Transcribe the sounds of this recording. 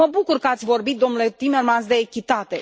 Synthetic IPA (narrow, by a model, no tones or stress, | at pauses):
əbukurkəat̪sʲvo̞rbit̪̚d̪o̞mnule̞t̪imermansd̪e̞ːkʲit̪at̪e̞